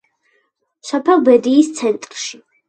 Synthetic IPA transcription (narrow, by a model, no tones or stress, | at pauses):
sɔpʰɛlˠbɛd̪iːst̪sʰɛnt̪ʼɾʃi